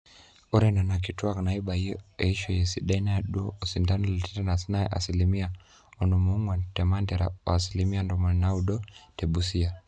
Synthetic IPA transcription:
ɔɾɛnanak̬ituaknaiɓaiɛiʃɔjɛsiɗainaaɗuɔɔsindanɔlɛtɛtanasinaɛʔa̰silimia | ɔnumuuŋwatɛmandɛɾa̰wa̰ːsilimiandɔmɔnauɗɔtɛɓusia

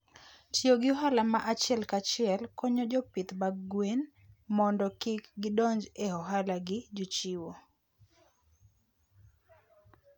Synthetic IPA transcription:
tjoɡɪɔɦalamaʔat͡ʃɪɛlkat͡ʃɪɛlkɔɲod͡ʒɔpɪt̪baɡwen | mɔndɔkɪkɡɪdɔɲd͡ʒehɔɦalaɡɪd͡ʒut͡ʃiwo

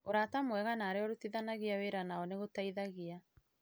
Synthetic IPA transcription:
oɾatamwɛɣanaːɾeɔɾotiðanaɣiaweɾanaɔneɣotaiðaɣia

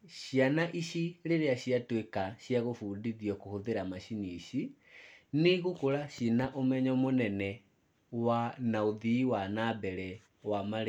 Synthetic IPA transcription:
ɕianaʔiɕiɾeɾeaɕjatwekaɕjaɣofuːndiðjɔkohoðeɾamaɕiniɕi | neɣokoɾaɕinaʔomɛɲɔmonɛnɛ | wanaoðiːwanabɛɾɛ | wamaɾe

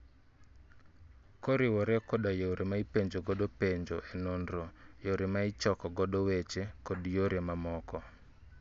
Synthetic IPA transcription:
kɔɾɪwɔɾɛkɔɗajoɾʔemaipeɲd͡ʒoɡɔɗopeɲd͡ʒoʔenondɾojoɾemaɪt͡ʃɔkɔɡɔɗɔwet͡ʃekɔdjoɾemamɔkɔ

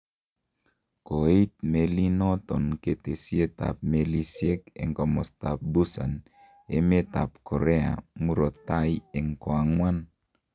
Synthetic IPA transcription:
koejt̪̚melinɔt̪ɔnket̪esiet̪a̰p̚melisiekḛŋkomɔst̪ap̚busan | emet̪ap̚kʰoɾea̰muɾot̪ajeŋkoaŋwan

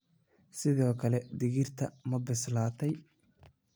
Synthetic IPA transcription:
sɪðɔːkʰɐlɛd̪ɪɣɪrt̪ʰɐmɐbɪslaːt̪ʰɛj

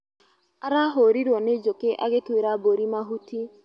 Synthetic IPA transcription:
aɾaɦoɾiɾwɔned͡ʒokeʔaɣetweɾaboɾimaɦuti

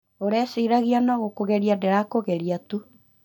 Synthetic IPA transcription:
oɾɛsiɾaɣianɔɣokoɣɛɾiadeɾakoɣɛɾiatu

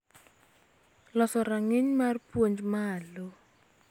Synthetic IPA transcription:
lɔsɔɾaŋeɲmarpwoɲd͡ʒmalo

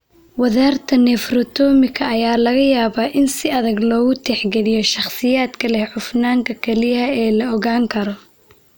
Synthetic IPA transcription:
wɐðaːrt̪ʰɐnɛfrɔt̪ʰɔːmɪkʰɐːjaːlɐɣɐjaːβaːʔɪnsɪɐðɐɡlɔːɣʊt̪ʰɛħɡɛlɪjɔʃɑχsɪjaːd̪kʰɐlɛhħʊfnaːŋkʰɐkʰɛlɪjɐɛːlɐɔɣaːŋkʰɐɾɔ

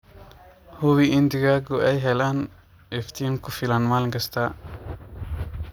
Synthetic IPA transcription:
hʊwiʔɪnd̪ɪɣaːɡʊɛjɦɛlaːn | ɛft̪ʰinkʰʊfɪlanmaːlŋkʰɐst̪ʰɐ

